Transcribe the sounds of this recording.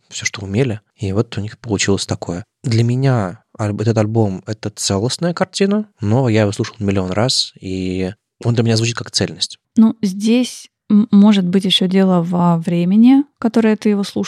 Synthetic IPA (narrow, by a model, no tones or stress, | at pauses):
fsʲoʂt̪oʊmʲelʲɪ | ivo̞t̪ʊnʲixpəlˠʊt͡ɕilˠəsʲt̪ɐko̞jə | d̪lʲəmʲɪnʲaɐlʲɛt̪ət̪ɐlʲbo̞mɛt̪ət̪sɛlˠːəsnəjəkɐrtʲinəno̞jaɪvoslˠuʂəlˠmʲɪlʲɪo̞nrʔasi | ond̪lʲəmʲɪnazvʊut͡ɕit̪kakt̪sɛlʲnəsʲtʲ | nuzʲdʲesʲ | mo̞ʐɨt̪̚bɨtʲjɪɕːodʲe̞lˠəvəvɾʲemʲɪnʲɪkɐt̪o̞ɾəjət̪ɨjɪvoslˠu